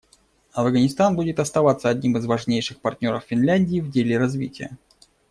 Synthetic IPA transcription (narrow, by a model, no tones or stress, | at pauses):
ɐvɡənʲɪst̪anbudʲɪt̪ɐst̪ɐvat̪səɐdʲnʲimɨzvɐʐnʲejʂɨxpɐrtʲnʲo̞ɾəffʲɪnlʲænʲdʲɪːvdʲelʲɪɾɐzvʲḭtʲɪjə̰